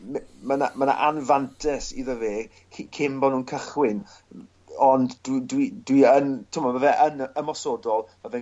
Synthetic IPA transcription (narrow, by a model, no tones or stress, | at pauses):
mməna̰məna̰ʔanvantʰɛsiðəveː | kʰikʰɪmbɔnuːnkʰəχwɪn | ɔnddwdwidwiəntʰɪmɔvəvɛʔənəmɔsodɔlˠvəvɛ